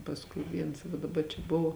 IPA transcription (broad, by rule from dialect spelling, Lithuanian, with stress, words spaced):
pɐsˈkʊɪ ˈʋʲiɛns dɐˈbɐ t͡ʃʲɛ ˈbʊʋoː